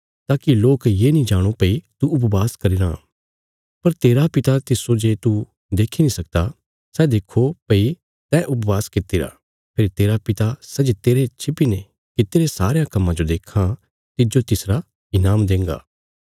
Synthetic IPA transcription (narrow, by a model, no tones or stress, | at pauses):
t̪aːkiloːkjeːnĩd͡ʒaːɽ̃uopɐit̪uʊpʋaːskɐɾiɾã | pɐɾt̪eːɾapɪt̪at̪ɪsod͡ʒeːt̪u | d̪eːkʰinĩsɐk̚d̪a | sɛːd̪eːkʰːopɐi | t̪ɛ̃ʔʊpʋaːskɪt̪ːiɾa̰ | pʰɪɾt̪eːɾapɪt̪asɛd͡ʒet̪eːɾet͡ʃʰɪpine | kɪt̪eːɾesaːɾejãkɐmːãd͡ʒod̪eːkʰːa | t̪ɪd͡ʒot̪ɪsɾa | ɪnaːmd̪ẽːŋɡa̰ː